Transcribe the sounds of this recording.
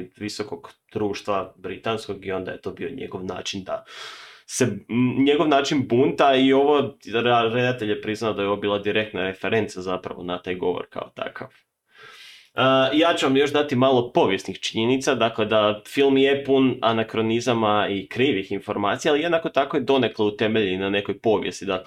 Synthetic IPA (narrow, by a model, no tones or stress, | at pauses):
ʋiso̞ko̞ɡd̪̥ɾuːʃt̪ʋabɾit̪ansko̞ɡio̞nd̪a̰je̞t̪o̞bioɲḛɡo̞ʋna̰ːt͡ʃind̪a | se̞ɲeɡo̞ʋnaːt͡ʃinbunt̪aio̞ʋo̞ | ɾe̞d̪at̪e̞ʎjepɾiznaod̪ajeo̞ʋobiːlˠad̪iɾe̞k̚t̪naɾe̞fe̞ɾe̞nt̪sazapɾa̰ʋo̞̰nat̪aːjɡo̞ʋo̰ɾka̰ot̪a̰ka̰ʋ | əjaːt͡ɕeʋamjo̞ʒd̪at̪imalˠo̞po̞ʋjesnixt͡ʃiɲenit̪sad̪akle̞d̪afilˠmjepuna̰nakɾo̞nizamaikɾiːʋixinfo̞ɾmaːt̪sijaːlije̞d̪nako̞t̪ako̞jed̪o̞ne̞klˠout̪e̞me̞ʎinane̞ko̞jpo̞ːʋje̞st̪id̪a